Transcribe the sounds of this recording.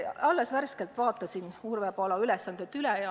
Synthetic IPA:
ɑlːesværske̞lt̪vɑːt̪ːˑɑsinurvepɑlɑylɛsːɑnd̪̥et̪ylɛjɑ

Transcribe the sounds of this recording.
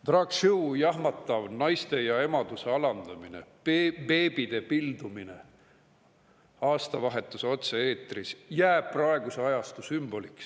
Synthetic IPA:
t̪rɑɡʃuwjɑɦmɑt̪ːˑɑvnɑjst̪e̞jɑe̞mɑd̪̥use̞ɑlɑnd̪̥ɑmine̞̰ | pe̞ːb̥id̪̥e̞pild̪uminḛ | ɑːst̪ɑvɑɦe̞t̪ːˑuso̞t̪see̞ːt̪ːˑrisjæːb̥̚prɑeɡuseɑjɑst̪usymb̥o̞liks

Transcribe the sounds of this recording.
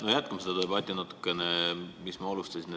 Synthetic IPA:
nojæt̪kɑmsed̪ɑd̪e̞bɑt̪ʲːˑinɑt̪ːˑu̥kːˑe̞nemismɑolust̪ɑsʲin

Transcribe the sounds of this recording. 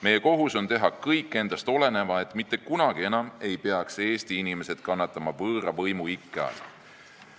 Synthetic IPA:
me̞jːe̞ko̞ɦuso̞nt̪e̞ɦɑkɤjkːˑe̞nd̪̥ɑst̪o̞le̞ne̞vɑe̞t̪ːˑmit̪ːˑe̞kunɑɡ̥ie̞nɑme̞jpeɑkse̞ːst̪iinime̞se̞d̪̥kɑnːɑt̪ːˑɑmɑvɤːɾɑvɤjmuikːˑɑ̰s

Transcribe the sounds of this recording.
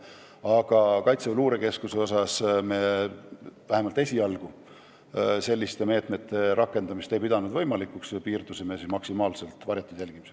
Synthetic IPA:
ɑɡ̥ɑkɑjt̪seeluːɾeke̞skuse̞o̞s̬ɑsme | væhemɑlt̪e̞sʲiɑlɡ̥u | se̞lʲːist̪e̞me̞ːt̪ˑme̞t̪ːˑe̞ɾɑkːˑe̞nd̪ɑmist̪ejpid̪̥ɑnud̪vɤ̞jmɑlikːˑukspiːrd̪usemesinmɑksimɑːlse̞lt̪ˑvɑɾjɑt̪ːˑud̥̪jælɡ̥imise

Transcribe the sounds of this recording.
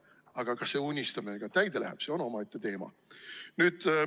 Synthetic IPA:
ɑɡ̥ɑkɑsːe̞unʲːist̪ɑmeɡ̥ɑt̪æjd̪̥elæ̰ɦæ̰b̥se̞o̞no̞mɑet̪ːet̪e̞ːmɑ̰ | nyːd̪̥

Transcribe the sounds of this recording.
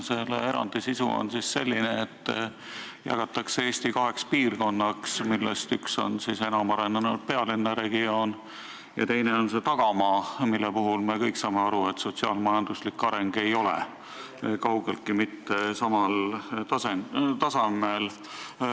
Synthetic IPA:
se̞lee̞ɾɑ̰nd̪̥isisṵo̰nsisse̞lʲːineet̪ː | jɑ̰ɡ̥ɑt̪ːˑɑkseeːsʲt̪ikɑɦe̞kspiːrɡ̥o̞nːɑksmilːḛst̪ykso̞̰nsise̞nɑmɑɾend̪ɑnu̥pe̞ɑlinːɑɾe̞ɡio̞ːn | jɑ̰t̪e̞jneo̞nse̞t̪ɑɡ̥ɑmɑːmilːepuɦulmekɤjksɑːmeɑɾuet̪so̞t̪siɑ̰ːlmɑjɑnd̪uslikːˑɑɾe̞ŋɡ̥e̞jo̞lḛ | kɑwɡ̥elkimit̪ːesɑmɑlt̪ɑsent̪ɑsɑmel

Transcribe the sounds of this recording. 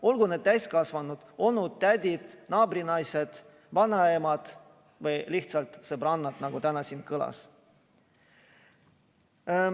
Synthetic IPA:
o̞lɡuned̪̚t̪æjskɑsvɑnːud̪̥o̞lnud̪̥̚t̪æd̪ʲid̪̥nɑːbɾinɑjsed̪̥ | vɑnːɑemɑd̪̥ | vɤjliht̪sɑlt̪sɤbrɑnːɑd̪̥nɑɡ̥ut̪ænɑsiːnkɤlɑ̰s

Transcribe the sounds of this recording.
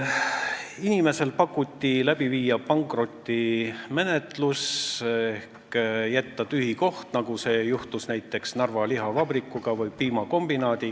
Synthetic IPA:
inʲime̞se̞lpɑkːˑut̪ʲːilæb̥iviːjɑpɑŋkro̞t̪ʲːime̞net̪lusehkjæt̪ːɑt̪yhiko̞ht̪nɑɡ̥use̞ːjuht̪usnæjt̪ˑːe̞ksnɑrvɑliɦɑvɑb̥rikːˑuɡ̥ɑvɯjpiːmɑko̞mb̥inɑːd̪̥ʲi

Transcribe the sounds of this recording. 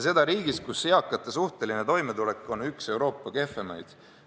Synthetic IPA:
se̞d̪ɑɾiːɡ̥iskusːeɑkːˑɑt̪ːˑɑsuht̪e̞linet̪o̞jmet̪ule̞kːˑo̞nykse̞wɾo̞ːpːˑɑke̞fːe̞mɑ̰jd̪̥

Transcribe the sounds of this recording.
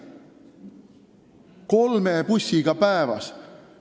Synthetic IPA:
ko̞lmepusʲːiɡ̥ɑpæevɑ̰s

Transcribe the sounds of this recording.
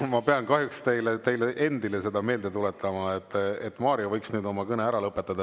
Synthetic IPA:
mɑpeɑnkɑɦjukst̪e̞jlet̪e̞jleʔe̞nd̪ile̞se̞d̪ɑme̞ːld̪e̞t̪ulet̪ʰːˑɑmɑet̪ːet̪ːˑmɑːɾjovɤjksnyːd̪o̞mɑkɤne̞æɾɑlɤpːˑet̪ːˑɑd̪̥ɑ

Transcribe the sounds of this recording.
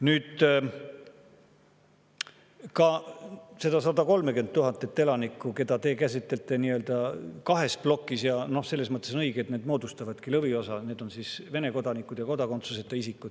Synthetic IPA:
nyːd̪̥ | kɑ | se̞d̪̥ɑsɑd̪ɑko̞lmekend̪̚t̪uɦɑnt̪ːˑet̪ːe̞lɑnikːˑuke̞d̪ɑt̪e̞ːkæsit̪ːˑe̞lt̪ːˑe̞niøld̪̥ɑkɑɦe̞splo̞kːˑisjɑno̞hse̞lːesmɤt̪ːˑeso̞nɤiɡ̥eet̪ne̞ːd̪mo̞ːd̪ust̪ɑvɑd̪̥kilɤvio̞sɑneːd̪̥o̞nsisve̞ne̞ko̞d̪ɑnikːˑud̪̥jɑko̞d̪ɑko̞nt̪suse̞t̪ːɑisikːˑud̪̥

